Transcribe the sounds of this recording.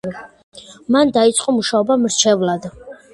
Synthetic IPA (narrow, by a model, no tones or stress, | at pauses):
mand̪ait̪sʼqʼɔmuʃaɔbamɾt͡ʃʰɛvlad̪